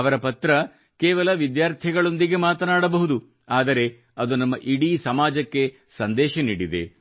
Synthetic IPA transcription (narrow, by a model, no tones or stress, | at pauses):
ɐʋɐɾɐpɐt̪ɾɐ | keːʋɐlɐʋid̪jaːɾt̪ʰiɡɐɭo̞nd̪iɡe̞maːt̪ɐnaːɽɐbɐɦud̪u | aːd̪ɐɾe̞ | ɐd̪unɐmːɐʔiɽisɐmaːd͡ʒɐkːe̞ | sɐnd̪ɛːʃɐniːɽid̪e̞̰